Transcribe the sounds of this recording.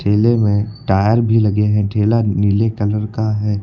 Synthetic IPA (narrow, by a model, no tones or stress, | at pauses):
ʈʰeːlemẽʈaːjəɾbʱilɐɡeɦɛ̃ʈʰeːlanɪlekɐləɾkaɦɛː